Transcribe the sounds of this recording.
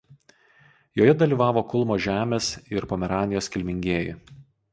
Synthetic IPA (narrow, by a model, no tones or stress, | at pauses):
joːjɛd̪ɐlʲiːˑʋɑːʋoːkʊlˠmoːʒʲæːmʲeːsɪɾpoːmʲɛɾɑːnʲɪjoːskʲɪlʲmʲɪŋʲɡʲeːjɪ̰